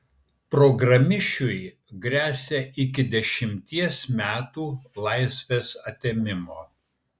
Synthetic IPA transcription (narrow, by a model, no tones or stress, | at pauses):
pɾɔɡɾɐmʲɪʃʲʊj | ɡɾʲæːsʲeɪkʲɪd̪ʲɛʃʲɪmʲt̪ʲiɛsmʲæːt̪uːlˠɐɪsʲʋʲeːsɐt̪ʲemʲɪmoː